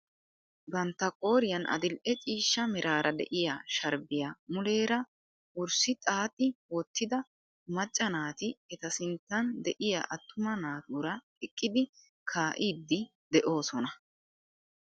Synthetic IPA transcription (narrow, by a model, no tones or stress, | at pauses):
bɐnt̪ːɐkʼo̞ːɾɪjɐnʔɐ̰d̪ɪlʔɛt͡ʃʼiːʃːɐmɛɾʔaːɾɐd̪ɛ̰ʔɪjaʃɐɾbɪjamʊle̞ːɾɐ | ʔʊɾsɪt̪ʼaːt̪ʼːɪwɔt̪ːɪd̪ɐ | mɐt͡ʃʼːɐnaːt̪ɪɛt̪ɐsɪnt̪ːɐnd̪ɛʔɪja̰ːʔɐt̪ʰːʊmɐnaːt̪uɾɐ | ɛkʼːɪd̪ɪ | kʰaːʔiːd̪ːɪ | d̪ɛʔo̞ːsɔnɐ